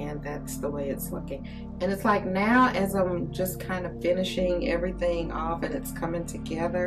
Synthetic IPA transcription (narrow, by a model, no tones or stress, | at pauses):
ɨ̃nðætsðəweɪɨtslʊkɪ̃ŋ | ɨ̃nɨtslaɪk̚naʊʔɨzãɪ̃md͡ʒʌskʰãɪ̃ndʌ̥fɪ̃nɨʃɪ̃ŋɛvɹiθɪ̃ŋʔɔfɨ̃nɨtskʰʌmɪ̃ŋtʰɨɡɛðə˞